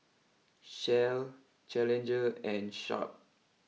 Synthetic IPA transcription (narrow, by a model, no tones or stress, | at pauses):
ʃɛl | t͡ʃɛlɛ̃nd͡ʒəɛ̃nʃɔ̰p̚